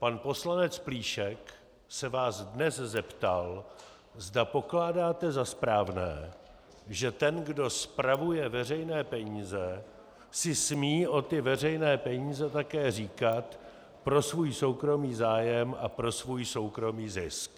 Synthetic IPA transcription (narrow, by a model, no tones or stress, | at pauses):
panpo̞slanɛt͡spliːʃɛk | sɛvaːzdnɛszɛpt̪al | zdapo̞klaːdaːt̪ɛzaspɾaːvnɛː | ʒɛt̪ɛnɡdo̞spɾavujɛvɛrɛjnɛːpɛɲiːzɛ | sɪsmiːʔo̞t̪ɪvɛr̝ɛjnɛːpɛɲiːzɛt̪akɛːriːkat̪ | pɾo̞svuːjso̞wkɾo̞miːzaːjɛmʔapɾo̞svuːjso̞wkɾo̞miːzɪsk